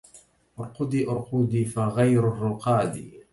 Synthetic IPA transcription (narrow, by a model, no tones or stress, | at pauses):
ʔʊɾqʊd̪iːʔʊɾˤqʊd̪iːfaɣajɾʊrˤːʊqɑːd̪ḭː